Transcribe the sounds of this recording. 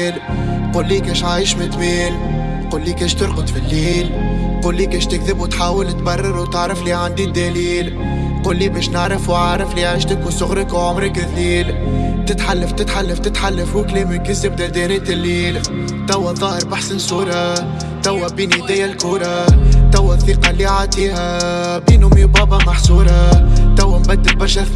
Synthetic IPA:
l | quːlːiːkɛːʃʕaːjɪʃmɪt̪miːl | quːlːiːkɛːʃt̪ɪɾqʊt̪ˤfilːiːl | quːlːiːkɛːʃt̪ɪkðɪbut̪ħaːwɪlt̪bɑrˤːɑɾut̪ɪʕɾɪfliːʕand̪id̪æliːl | quːlːiːbɛːʃnɪʕɾˤɪfuwʕaʕɾˤɪfliːʕaʃt̪ekunsʊɣɾɪkwʕʊmɾˤɪkɪlːiːl | t̪ɪt̪ħalːaft̪ɪt̪ħalːaft̪ɪt̪ħalːafhuklimɪnkɪzːɪb̚d̪æld̪ɛɾɛːt̪ɪlːiːl | t̪æwːæðˤɑːhəɾbaħsɪnsuːɾˤɑ | t̪æwːæbiːnd̪æːjælkuːɾˤɑt̪awːæθːiːqɑlːiʕaːt̪ihæ | biːnumibɑːbɑmaħsuːɾˤɑt̪awːæmbæd̪ːɪl̚bɑɾʃæ

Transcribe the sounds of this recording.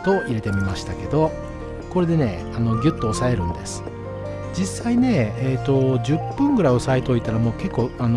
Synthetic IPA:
t̪o̞ʔiɾe̞t̪e̞mʲimaɕi̥t̪ake̞d̪o̞ | ko̞ɾe̞d̪e̞ne̞̰ | ano̞ɡʲɯ̟t̪ːo̞ːsae̞ɾɯ̟̃nd̪e̞sɨ̥ | d͡ʑisːaine̞ːt̪o̞d͡ʑɨpːɯ̟̃ŋɡɯ̟ɾaiosaet̪oːit̪aɾamo̞ːke̞kːo̞ːano

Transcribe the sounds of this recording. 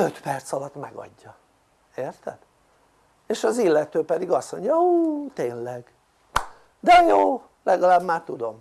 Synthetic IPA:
øt̪pɛrt̪sɒlɒt̪mɛɡɒ̰ɟːɒ | eːrt̪ɛd̪̥ | eːʃɒzilːɛt̪øːpɛd̪iɡɒsmo̞ɲɟɒut̪eːnlɛɡ | d̪ɛjoː | lɛɡɒlaːbmaːt̪ud̪o̞m

